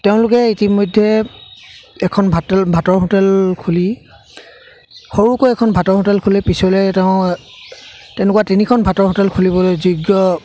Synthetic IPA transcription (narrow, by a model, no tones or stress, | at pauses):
teʊ̃lʊkɛitimɔjdʱːɛ | ɛkʰɔnbʱatɛlbʱatɔɹɦotɛlkʰuli | xoɹukoɛkʰɔnbʱatɔɹɦotɛlkʰulɛpisɔlejtɛʊ̃ | tɛnɛkwatinikʰɔnbʱatɔɹɦotɛlkʰulibɔlojzuɡjɔ